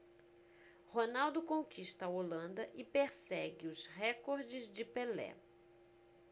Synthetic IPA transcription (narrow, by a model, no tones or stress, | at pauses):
honawd̪ʊkõkiʃt̪ɐɐolɐ̃nd̪ɐʔɪpeɾsɛɡɪʊsɦɛkoɾd͡ʒɪzd͡ʒɪpelɛ̰